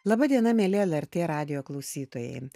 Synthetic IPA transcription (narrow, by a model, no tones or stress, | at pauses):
lˠɐbɐd̪ʲiɛnɐmʲɛːlʲɪɛlˠɛɾʲt̪ʲeːɾɑːd̪ʲɪjoːklˠɐʊsʲiːt̪oːjɛ̰ɪ